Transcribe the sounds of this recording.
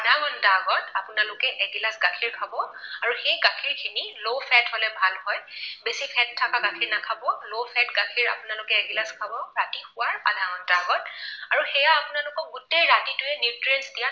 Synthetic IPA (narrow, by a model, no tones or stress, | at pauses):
adʱaŋɔntaɡɔtapʊnalʊkɛʔɛɡilasɡakʰiɹkʰabɔaɹuxejkakʰiɹkʰinilopʰɛtholɛbʱalhɔjbesipʰɛttʰːakakakʰiɹnakʰabɔlopʰɛtɡakʰiɹa̰pʊnalʊkɛɛɡilaskʰabɔɹatixʊwaɹadʱaŋɔntaɡɔtaɹuxɛjaːpʊnalʊkɔɡutejɹatitʊjɛnitɹɛnsdija